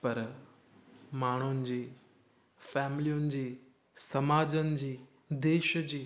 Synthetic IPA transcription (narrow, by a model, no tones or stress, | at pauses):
pɐɾ | maːɳ̤̃ʊnɪ̆d͡ʑiː | fɛːmɪlijʊnɪ̆d͡ʑiː | sɐmaːd͡ʑənɪ̆d͡ʑiː | d̪eːʃd͡ʑiː